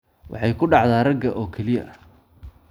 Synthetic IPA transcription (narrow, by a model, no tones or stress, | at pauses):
wʔɑ̰ħɑjkʰʊɖɑʕd̪aːrɐɡɐʔɔːkʰɛlɪjɐ̰ʔɐ